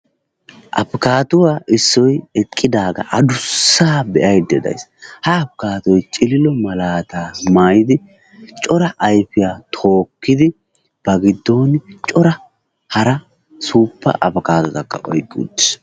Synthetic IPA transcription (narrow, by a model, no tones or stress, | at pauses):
ʔɐ̰pkaːt̪ʊwaːʔɪsːɔjɛkʼːɪd̪aːɡɐ̰ʔɐd̪ʊsːaːbɛʔɐjd̪ɛd̪ɐ̰jshɐɐpkaːt̪ɔjt͡ʃʼɪlɪlɔmɐlaːt̪aːmaːjɪd̪ɪ | t͡ʃʼɔɾɐʔɐjfɪjaːt̪ʰo̞ːkːɪd̪ɪ | b̥ɐɡɪd̪ːoːnt͡ʃʼɔɾɐ | hɐɾɐ | suːpːɐ̰ʔɐpkaːt̪ɔt̪ɐkːɐ̰ʔɔjkʼːṵːd̪ːɪ̥s